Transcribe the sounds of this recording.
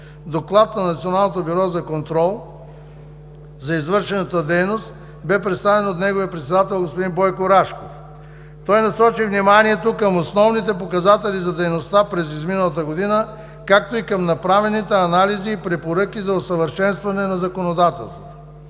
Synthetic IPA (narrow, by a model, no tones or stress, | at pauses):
d̪oklˠat̪nɐnɐt̪sionalˠnot̪obiɾɔzɐkont̪ɾɔlˠ | zɐizvɤɾʃɛnɐt̪əd̪ɛjnost̪ | bɛpɾɛt̪st̪avɛnot̪nɛɡovijəpɾɛt̪sɛd̪at̪ɛlˠɡospod̪inbɔjkoɾaʃkof | t̪ɔjnɐsɔt͡ʃivnimaniɛt̪okəmosnɔvnit̪ɛpokɐzat̪ɛlizɐd̪ɛjnost̪apɾɛzizminəlˠət̪əɡod̪inə | kak̚t̪oikɐmnɐpɾavɛnit̪ɛɐnaliziːpɾɛpoɾəkʲizɐosəvəɾʃɛnst̪vɐnɛnɐzɐkonod̪at̪ɛlˠst̪vot̪o̥